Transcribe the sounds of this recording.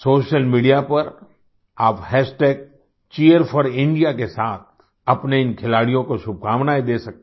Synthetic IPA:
soːʃəlmiːɖijapɐɾ | aːphɛːsʈeːk̚ | t͡ʃiːjəɾfʰɔɾɪ̃ɳɖijakesaːt̪̚ʰ | ɐpneɪ̃nkʰɪlaːɽijõkoʃʊb̚kʰaːʋnaːid̪eːsɐk̚t̪e

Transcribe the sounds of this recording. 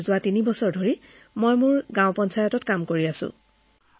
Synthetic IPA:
zʊwatinibɔsɔɹdʱoɹi | mojmuɹɡãʊ̃pɔnsajɔtɔtkamkoɹiasʊ̰̃

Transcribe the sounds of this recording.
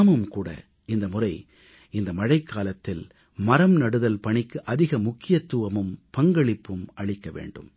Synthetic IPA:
mɯmkuːɽɐ̰ | ɪnd̪ɐmʊrɐɪ | ɪnd̪ɐmɐɻɐɪkːaːlɐt̪ːɪl | mɐɾɐmnɐɽɯðɐlpɐɳɪkːɯʔɐðɪɣɐmʊkːɪjɐt̪ːuːʋɐmɯmpɐŋɡɐɭɪpːɯmʔɐɭɪkːɐʋḛːɳɖɯ̰m

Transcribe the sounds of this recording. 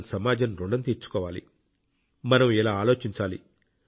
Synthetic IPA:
nsɐmaːd͡ʒɐnɾuɳɖɐnt̪iːɾt͡ʃu̥kɔːʋaːlḭ | mɐnɐmilaːaːlo̞ːt͡ʃiɲt͡ʃaːlḭ

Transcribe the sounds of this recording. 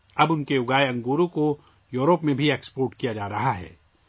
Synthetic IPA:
ɐbʊnkeʊɡaːeɐ̃ŋɡuːɾõko | juːɾopmẽbʱieːkspoːɾʈkijad͡ʒaːɾɐɦaɦɛ̰ː

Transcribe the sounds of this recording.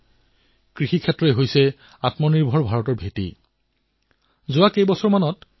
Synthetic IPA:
kɹixikʰɛtːɹɔɛɦojsɛ | atmɔniɹbʱɔɹbʱaɹɔtɔɹbʱetḭ | zʊakejbɔsɔɹmanɔt

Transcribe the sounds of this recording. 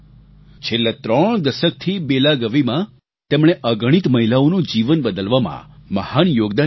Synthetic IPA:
t͡ʃʰelːat̪ɾəɳ̃d̪əʃək̚t̪ʰibelaɡəʋimã | t̪emɽ̃eʔəɡəɽ̃it̪məɦilaonũd͡ʒiʋənbəd̪əlʋamã̰məhanjoɡd̪a

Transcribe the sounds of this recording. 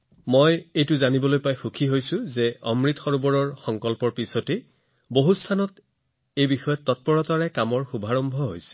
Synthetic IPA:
mojejtʊzanibɔlojpajxukʰiɦojsʊ̃zeʔɔmɹitxɔɹubɔɹɔɹxɔŋkɔlpɔɹpisote | boɦustʰanɔt | ejbixɔjɔtːɔt̚pɔɹɔtaɹɛkamɔɹxubʱaɹɔmbʱɔɦojsɛ̥

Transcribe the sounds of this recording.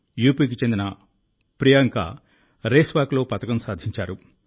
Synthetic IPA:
juːpiːk̬it͡ʃe̞nd̪inɐ | pɾijaŋka̰ | ɾeːsʋaːklo̞ːpɐt̪ɐkɐmsaːd̪ʱiɲt͡ʃaːɾu

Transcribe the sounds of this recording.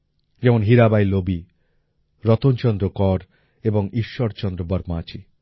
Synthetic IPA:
d͡ʒɛmonɦiɾabajlobi | ɾɔt̪ont͡ʃɔnd̪ɾokɔɾ | ebɔŋiʃːɔɾt͡ʃɔnd̪ɾobɔɾmaaːt͡ʃʰi

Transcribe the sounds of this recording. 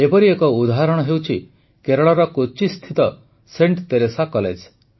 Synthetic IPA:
epɔɾiekɔud̪aɦaɾɔɽ̃ɔɦewt͡ʃʰi | keɾɔɭɔɾɔkot͡ʃist̪ʰit̪ɔ | seɳʈt̪eɾesakɔlḛd͡ʒ

